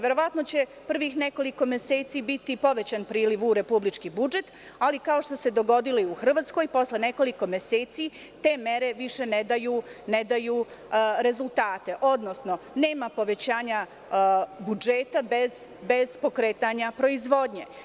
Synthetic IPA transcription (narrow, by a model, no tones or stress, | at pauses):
ʋjeɾo̞ʋat̪no̞t͡ɕe̞pr̩ʋixne̞ko̞liko̞mjeseːt̪sibit̪ipo̞ʋe̞t͡ɕanpɾiːliʋuɾe̞publit͡ʃkibud͡ʒe̞t̪ | alikao̞ʃt̪o̞se̞d̪o̞ɡo̞d̪iloiuxr̩ʋaːt̪sko̞jpo̞sle̞ne̞ko̞liko̞mje̞seːt̪si | t̪e̞ːme̞ɾe̞ʋiʃe̞ned̪ajuːned̪ajuːɾe̞zulˠt̪aːt̪e̞ʔo̞d̪no̞sno̞ | ne̞ːmapo̞ʋe̞t͡ɕaːɲa | bud͡ʒe̞t̪abe̞zbe̞zpo̞kɾe̞ːt̪aɲapɾo̞izʋo̞d̪ɲe